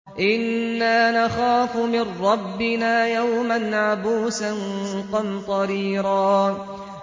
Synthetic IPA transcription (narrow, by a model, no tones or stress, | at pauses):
ʔɪnːaːnaxaːfmɪrːɑbːɪnaːjawmanʕabuːsanqɑd̪t̪ˤɑɾiːɾɑː